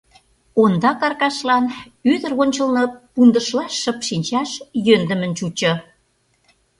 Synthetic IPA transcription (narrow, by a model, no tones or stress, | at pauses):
ond̪ɑkɑrkɑʃlɑn | yðəɾonʲt͡ɕə̆lnə̆pund̪ə̆ʃlɑʃːə̆pʃinʲt͡ɕɑʃjønd̪ə̆mə̆nt͡ɕut͡ɕɤ̆